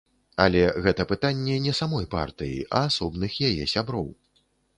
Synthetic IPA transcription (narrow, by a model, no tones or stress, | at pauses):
a̰lʲɛɣɛt̪ɐpɨt̪anʲːɛnʲɛsamɔjpa̰rt̪ɨjḭʔɐːsɔbnɨxjajɛ̰sʲabɾɔ̰w